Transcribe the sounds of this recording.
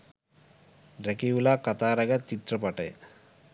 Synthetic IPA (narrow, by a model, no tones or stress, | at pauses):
ɖɾɛkiulakat̪aɾaɡat͡ʃit̪ːɾɔpaʈe